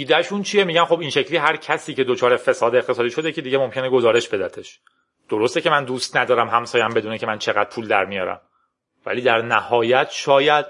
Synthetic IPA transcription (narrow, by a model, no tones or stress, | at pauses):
d̪iːd̪æʃunt͡ʃʰiemiːɟænχo̞binʃe̞cʰliːɦæɾcʰæsiːce̞d̪ot͡ʃʰɒːɾe̞fe̞sɒːd̪eext̪ʰe̞sɒːd̪iːʃo̞d̪ecʰed̪iɟemomcʰe̞neɡo̞zɒːɾe̞ʃbe̞d̪æt̪ʰeʃ | d̪̥oɾost̪ecʰe̞mænd̪uːst̪næd̪ɒːɾæmɦæmsɒːjæmbe̞d̪uːnecʰe̞mænt͡ʃʰe̞ɣæd̪̚pʰuːld̪æ̰ɾmijɒ̰ːɾæ̰m | væ̰liːd̪æɾnæhɒːjæt̪ʰʃɒːjæd̪̥̚